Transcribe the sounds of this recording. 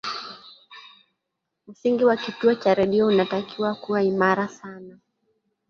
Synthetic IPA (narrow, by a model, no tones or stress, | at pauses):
m̩siŋɡiwakituɔt͡ʃaɾɛɗiɔunatakiwakuwaimaɾasana